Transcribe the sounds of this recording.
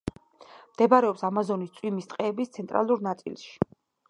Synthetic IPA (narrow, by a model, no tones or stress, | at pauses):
md̪̥ɛbaɾɛɔpsamazɔnist̪sʼwimist̪ʼqʼɛːbist̪sʰɛnt̪ʼɾa̰lˠuɾnat̪sʼḭlˠʃi̥